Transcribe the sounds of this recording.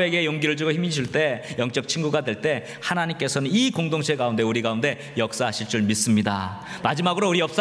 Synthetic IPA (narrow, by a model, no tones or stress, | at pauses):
eɡe̞joŋɡiɾɯɭd͡ʑuɡoçimiɕʰiɭt͈e̞jʌŋt͡ɕ͈ʌk̚t͡ɕʰinɡuɡadwe̞ɭt͈e̞ | hanaɲimk͈e̞sʰʌnɯnikoŋdoŋɕʰekaunde̞uɾiɡaunde̞ | jʌk̚s͈aɕʰiɭt͡ɕ͈uɭmis͈ɯmɲida̰ | mad͡ʑimaɡɯɾouɾiʌp̚s͈